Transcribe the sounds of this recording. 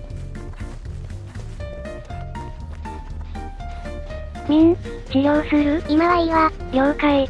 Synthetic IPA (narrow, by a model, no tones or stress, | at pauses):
mʲĩnɕijoːsɨɾɯ̟imaβaiβaɡʲoːkae